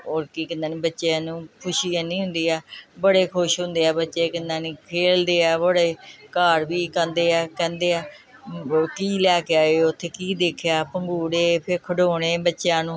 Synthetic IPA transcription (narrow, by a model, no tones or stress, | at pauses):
oːɾkiːkənd̪aːnĩːbətːʃjãːnũːkʰʊʃiːaːnĩːɦʊ̃nd̪iːɛːbəɽeːkʰʊʃɦʊ̃nd̪eːɛːbətːʃeːkənd̪aːniːkʰeːld̪eːɛːbəɽeːkaːɾbiːkə̃nd̪eːɛːkɛ̃ːnd̪eːɛː | kiːlɛːkeaːeːʊt̪ʰːeːkiːd̪eːkʰejaːpəŋɡuːɽeːpʰɪɾkʰəɖoːɽ̃eːbətːʃjãːnũː